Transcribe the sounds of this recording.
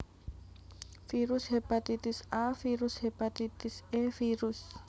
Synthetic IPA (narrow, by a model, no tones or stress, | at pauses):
firushipʼatitisafirushɛpʼatitisɛfirus